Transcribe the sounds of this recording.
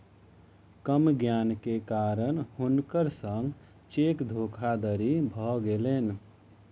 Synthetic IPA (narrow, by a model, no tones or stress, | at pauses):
kəmɡjankekaɾənhunkəɾsəŋɡ | t͡ʃekd̪ʱokʰad̪əɾibʱɔɡelen